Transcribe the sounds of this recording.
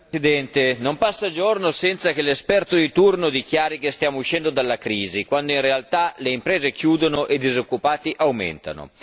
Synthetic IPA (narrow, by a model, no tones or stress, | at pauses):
sid̪ɛnt̪enompasːad͡ʒornosɛnt̪sak̟elːespɛrt̪od̪it̪urnod̪ik̟jaːɾikest̪jaːmouʃɛnd̪od̪alːakɾiːzikwand̪oinrealt̪aleimpɾeːzek̟juːd̪onoʔed̪izokːupaːt̪iʔawmḛnt̪a̰no̰